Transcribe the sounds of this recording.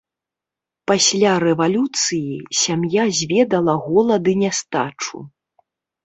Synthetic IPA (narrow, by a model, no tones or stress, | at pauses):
pasʲlʲaɾɛvalʲut̪sɨjisʲamjazʲvʲɛd̪ɐlˠɐɣɔlˠɐd̪ɨnʲast̪a̰t͡ʂṵ